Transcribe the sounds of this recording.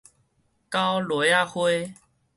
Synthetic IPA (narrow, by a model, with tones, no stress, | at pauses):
ka˦wlwe˨˦a˥˧hwe˦